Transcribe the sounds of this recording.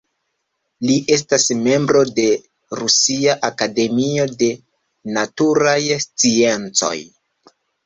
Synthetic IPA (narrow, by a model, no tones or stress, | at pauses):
liʔe̞s̬tasme̞mbɾo̞de̞ | ɾusiaʔakade̞mio̞de̞ | natuɾajst͡sie̞nt͡so̞̰j